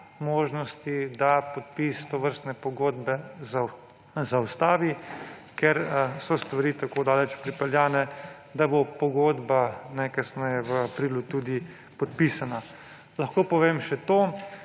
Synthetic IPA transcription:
moːʒnɔst̪id̪apɔt̪̚piːst̪oʋəɾst̪nɛpɔɡoːd̪bɛz | zawst̪aːʋikɛɾsɔst̪ʋaɾiːt̪akoːd̪aːlɛt͡ʃpɾipɛljaːnɛ | d̪abopɔɡoːd̪banɛkasnɛjɛʋəapɾiːlut̪ud̪i | pɔt̪̚pisana | lɐxkoːpɔʋeːmʃɛt̪oː

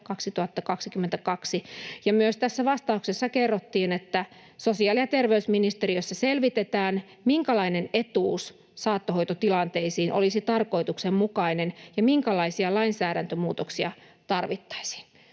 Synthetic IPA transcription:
kɑksit̪uɑt̪ːɑkɑksikymːent̪ækɑksijɑmyøst̪æsːæʋɑst̪ɑuksesːɑkerːot̪ːiːnet̪ːæ | sosiɑːlijɑt̪erʋeysminist̪eriøsːɑselʋit̪et̪æːn | miŋkælɑinenet̪uːs | sɑːt̪ːoɦoit̪ot̪ilɑnt̪eisiːnʔo̰lisit̪ɑrko̞it̪uksemmukɑinenjɑmiŋkælɑisiɑlɑinsæːɾænt̪ømuːt̪oksiɑ | t̪ɑrʋit̪ːɑ̥isi̥ːn

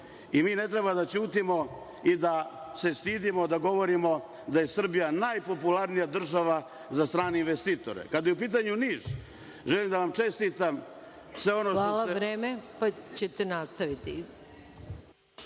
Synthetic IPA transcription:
imiːne̞t̪ɾebad̪at͡ɕuːt̪imo̞ | id̪ase̞st̪iːd̪imo̞d̪aɡo̞ʋo̞ɾimo̞ | d̪aje̞sr̩bijanajpo̞pulaɾnijad̪r̩ʒaʋa | zast̪ɾaːneinʋest̪iːt̪o̞̰ɾḛkad̪ajeup̬iːt̪̬aɲuniːʒ̥ | ʒelimd̪aʋamt͡ʃe̞st̪it̪am | sʋe̞o̞noʃtaollaeɾeːmepat͡ɕet̪enast̪aʋit̪i

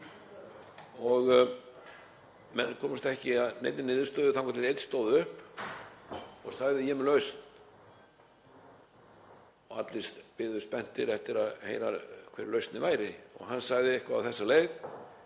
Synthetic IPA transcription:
ɔɣ | mɛnːkʰɔːmʏst̪aɛhcɪaðnḛjt̪nɪnɪːðʏst̪œːðʏθamkʰvat̪ɪejt̪st̪oːwðʏhp | ɔɣsaɣðɪjɛmɛlœɥst̪n | ɔɣat̪lɪst̪pɪðʏspɛn̥t̪ɪɾɛft̪ɪɾaðhḛjɾa̰kʰvɛɾlœɥst̪nɪvaːjɾɪɔ̰ɣɦanːsaɣðɪɛhkva̰ːθɛsːaleːjð

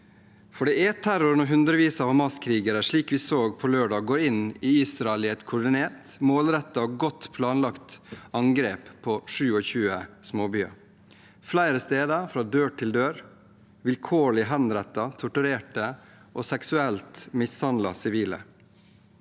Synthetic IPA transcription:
fɔɖɛɛt̪ʰæɾʊɾənɔːɦʉnd̪ɾəʋiːsɑːʋhɑmɑskʰɾiːɡəɾəʂɭiːkʋiːsoːɡpʰɔløːɖɑɡoːɾɪniiːsɾɑɛlɪɛɪt̪kʰʊɖɪneːʈ | moːlɾɛt̪ːɑɡɔt̪ːpʰlɑːnlɑkt̪ɑŋɡɾeːppʰːɔʂʉːɔçʉːəsmoːbyːɑ̰ | flæɪɾəst̪eːd̪əfɾɑːd̪øːʈʰɪld̪øːɾ | ʋɪlkʰoːɭɪəɦɛnɾɛt̪ːɑt̪ʰʊʈʉɾeːʈə | ʔoːsɛksʉɛlt̪mɪshɑnd̪lɑsɪʋiːlə̰

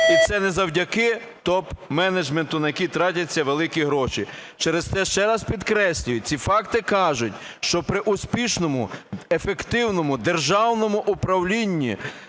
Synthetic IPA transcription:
it̪sɛnezɐwdʲɐkɪt̪ɔpmɛned͡ʒment̪ʊnɐjɐkʲit̪ɾɑtʲɐt͡sʲːɐʋelˠɪkʲiɦɾɔʃit͡ʃeɾest̪ɛʃt͡ʃɛɾɐspʲid̪kɾɛsʲlʲʊjʊt͡sʲifɑkt̪ɪkɑʒʊtʲʃt͡ʃɔpɾɪʔʊspʲiʃnɔmʊefekt̪ɪwnɔmʊd̪erʒɑwnɔmʊʔʊpɾɐwlʲinʲːḭ

